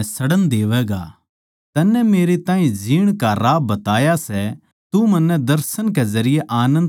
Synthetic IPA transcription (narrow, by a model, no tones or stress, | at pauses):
sɐɽənd̪eːʋɛɡa̰ | t̪ɐnːɛmeːɾet̪ãːĩd͡ʒiːɽ̃kaɾaːbːɐt̪aːjasɛ | t̪umɐ̃nːɛd̪ɐɾsənk̬ɛzɐɾɪjeʔaːnə̃nd̪